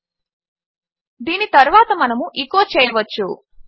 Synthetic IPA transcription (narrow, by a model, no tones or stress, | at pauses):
d̪iːnit̪ɐɾuʋaːt̪ɐmɐnɐmuʔikoːt͡ʃeːɐʋɐt͡ʃːu